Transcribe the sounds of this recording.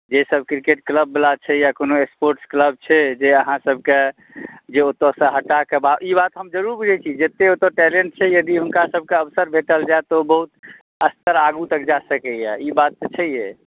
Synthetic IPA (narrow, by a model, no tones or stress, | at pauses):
d͡ʒesəbkɾikeʈkləbːelat͡ʃʰɛjakonoekspoɾʈskləb̚t͡ʃʰɛd͡ʒeəɦãsəb̚ʱke | d͡ʒeot̪ɔsə̃ɦəʈːakebaibat̪ɦəmd͡ʒəɾuɾbud͡ʒʱɛt͡ʃʰid͡ʒet̪eot̪oʈɛlẽɳʈ̚t͡ʃʰɛjəd̪iɦunkasəb̚ʱkeəbsəɾbʱeʈəld͡ʒaet̪obəɦut̪ | əst̪əɾaɡut̪əkd͡ʒasəkɛjɛibat̪̚ːt͡ʃʰəije